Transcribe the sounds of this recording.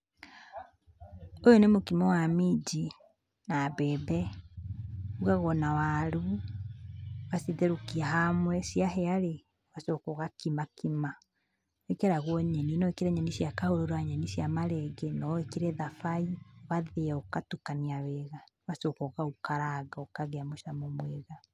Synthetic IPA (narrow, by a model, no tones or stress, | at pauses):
ojonemokimɛwamid͡ʒi | nabɛːbɛ | uɣaɣɔnawaɾu | waseðeɾokiaɦamwɛsiaɦɛaɾe | wasokɔɣakimakima | ekɛɾaɣwɔɲɛninɔekeɾɛɲɛnisjakahoɾoɾaɲɛnisjamaɾɛɡɛnɔekiɾɛðafaiwaðeɔkatukaniawɛɣawasokɔɣaukaɾaɡaɔkaɣɛamoʃamomweɣa